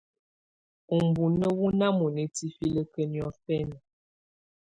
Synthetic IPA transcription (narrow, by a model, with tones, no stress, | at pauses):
u˨m˨bu˨nə˦wu˦na˦mu˨nə˨ti˦fi˦lə˦kə˦njɔ˦fɛ˦nə˨